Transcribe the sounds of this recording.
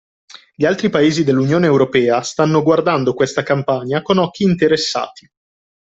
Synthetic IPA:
ʎialt̪ɾipaeːzid̪elːunjoːneːwɾopɛːast̪anːoɡward̪and̪okwest̪akampaɲakonɔk̟ːiːnt̪eɾesːa̰ːt̪i̥

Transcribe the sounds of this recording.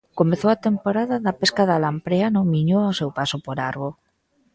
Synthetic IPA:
komeθowat̪empoɾaðaðapeskaðalampɾeanõŋmiɲoasewpasopoɾaɾβo

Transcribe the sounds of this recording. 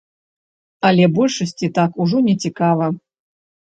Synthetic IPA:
ɐlʲɛbɔlʲʂɐsʲt͡sʲit̪akuʐɔnʲɛt͡sʲikavɐ

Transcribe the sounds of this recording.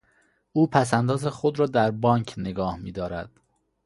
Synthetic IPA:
ʔuːpʰæs̬ænd̪ɒːzexo̞d̪ɾɒːd̪æɾbɒːŋcʰneɡɒːhmiːd̪ɒːɾæ̰d̪̥

